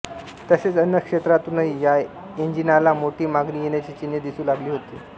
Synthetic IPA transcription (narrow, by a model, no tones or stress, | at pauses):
t̪əset͡sənjəkʂet̪ɾat̪uːnaɦija | eɲd͡ʑinalamoʈiːmaɡniːjeɽ̃jat͡ɕiːt͡ɕinjəd̪isuːlaɡliːɦot̪iː